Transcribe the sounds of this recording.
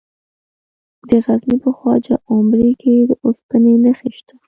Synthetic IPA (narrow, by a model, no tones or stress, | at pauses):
d̪əɣaznipəxwɑd͡ʒa̰ʔʊmɾiked̪əʔospənenəxiʃt̪ə̥